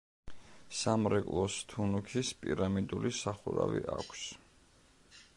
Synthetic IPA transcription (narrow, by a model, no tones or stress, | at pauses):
samɾɛkʼlˠɔst̪ʰunukʰispʼiɾamid̪ulisaχuɾaviʔakʷʰs